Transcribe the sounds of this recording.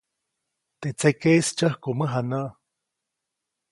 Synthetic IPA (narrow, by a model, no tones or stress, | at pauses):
t̪et͡sekeist͡ʃəhkoməɦanəʔ